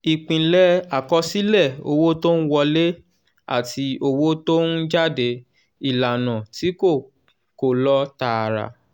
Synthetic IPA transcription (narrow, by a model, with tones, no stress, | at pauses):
i˨k͡pĩ˧lɛ˦a˨kɔ˧si˦lɛ˦˨o˧wo˦to˦n̩˦wɔ˧le˦ | a̰˦˨ti˧o˧wo˦to˦n̩˦d͡ʒa˦˨de˧ | i˦˨la˨nã˨ti˨˦ko˦˨ | ko˨lɔ˦ta˧˨ɾa̰˨